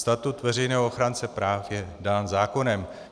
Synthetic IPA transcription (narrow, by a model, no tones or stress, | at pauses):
st̪at̪ut̪vɛrɛjnɛːɦooxɾant͡sɛpɾaːfjɛdaːnzaːko̞nɛm